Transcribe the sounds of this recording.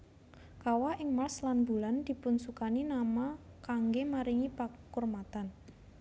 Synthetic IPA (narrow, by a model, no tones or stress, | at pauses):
kawaʔɪŋmarslanbṳland̪̥i̤punsukaninama | kaŋɡemaɾiŋipakurmat̪an